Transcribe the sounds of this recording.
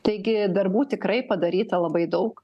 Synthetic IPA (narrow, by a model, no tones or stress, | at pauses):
t̪ɐɪɡʲɪd̪ɐrbuːt̪ʲɪkɾɐɪpɐd̪ɐɾʲiːt̪ɐlˠɐbɐɪd̪ɐʊk